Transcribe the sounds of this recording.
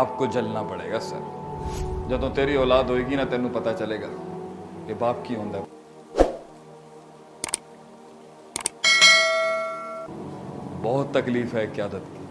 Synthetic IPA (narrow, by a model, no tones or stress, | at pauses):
aːp̚koːd͡ʒəlnaːpəɽḛːɡaːsə̰ɾ | d͡ʒəd̪õːt̪eːɾiːɔːlaːd̪ɦoːiːɡiːnãːt̪ɛːnũːpət̪aːt͡ʃəleːɡaːkebaːp̚kiːɦõːnd̪aː | bɔːt̪ːəkliːfɦɛːkɪjaːd̪ət̪ː